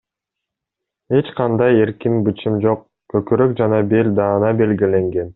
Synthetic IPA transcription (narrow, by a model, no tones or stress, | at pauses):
e̞t͡ʃqʰɑnd̪ɑje̞ɾkimbɯt͡ʃimd͡ʒo̞q | køkøɾøk̚d͡ʒɑnɑbelʲd̪ɑːnɑbe̞lɡile̞ŋɡe̞n